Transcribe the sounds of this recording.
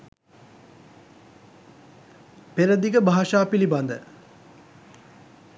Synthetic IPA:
peɾəd̪iɡəbʱaːʃaːpiliband̪ə̰

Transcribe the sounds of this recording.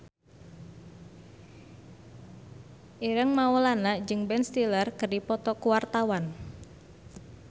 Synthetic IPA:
ʔiɾəŋmaolanad͡ʒɨŋbɛnst̪ilərkərdipɔt̪ɔkuwart̪awan

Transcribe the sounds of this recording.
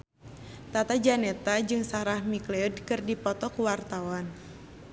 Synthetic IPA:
t̪at̪ad͡ʒanɛt̪ad͡ʒɨŋsaɾahmiklɛudkɨrdipɔt̪ɔkuwart̪awan

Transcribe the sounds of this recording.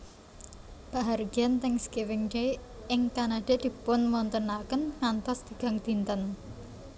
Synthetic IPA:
b̥aɦarɡiant̪ɪŋskiwɪŋɡe | ɪŋkanad̪̥e̤ʔd̪̥i̤pʊnmɔnt̪ənakənŋant̪ɔsd̪̥ə̤ɡ̥a̤ŋd̪̥int̪ən

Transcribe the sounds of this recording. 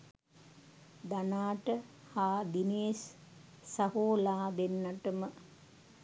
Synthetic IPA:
d̪ɐnaːʈə | haːd̪ineːs | sɐhoːlaːd̪enːɐʈumə

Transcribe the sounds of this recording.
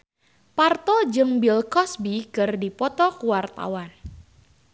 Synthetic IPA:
part̪ɔd͡ʒɨŋbilkɔsbikɨrdipɔt̪ɔkuwart̪a̰wan

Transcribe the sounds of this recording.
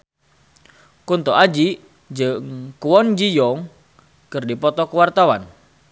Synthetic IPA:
kunt̪ɔad͡ʒi | d͡ʒəŋkuwɔnd͡ʒijɔŋ | kɨrdipɔt̪ɔkəwart̪awan

